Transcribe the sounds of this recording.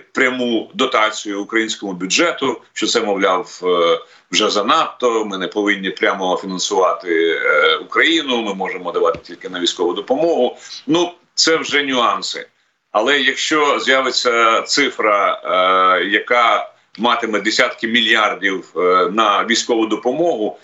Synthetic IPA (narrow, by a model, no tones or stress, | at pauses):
pɾʲɐmud̪ɔt̪ɑt͡sʲijʊːkɾɐjinʲsʲkɔmʊbʲʊd͡ʒɛt̪ʊʃt͡ʃɔt̪sɛmɔwlʲaw | wʒɛzɐnɑt̪ːɔmɪnɛpɔʋɪnʲːipɾʲamɔfʲinɐnsʊʋɑt̪ɪukɾɐjinʊmɪmɔʒemɔd̪ɐʋɑt̪ɪ̥tʲilʲkɪnɐʋʲijsʲkɔʋʊd̪ɔpɔmɔɦʊnu | t̪sɛwʒɛnʲʊɑnsɪ̰ | ɐlˠɛjɐkʃt͡ʃɔzʲjaʋet͡sʲːɐt̪sɪfɾɐ | jɐkɑ | mɑt̪ɪmɛd̪esʲat̪kɪmʲilʲjardʲiwnɐʋʲijsʲkɔʋʊd̪ɔpɔmɔɦʊ